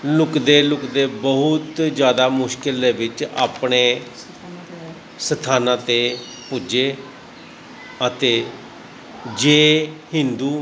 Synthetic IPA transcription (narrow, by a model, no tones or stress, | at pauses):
lʊkd̪eːlʊkd̪eːbəɦʊt̪d͡ʒjaːd̪aːmʊʃkɪleːʋɪt͡ʃa̰ːpɳeː | sət̪ʰaːnãːt̪eː | pʊd͡ʒeː | ət̪eː | d͡ʒeːhɪ̃nd̪uː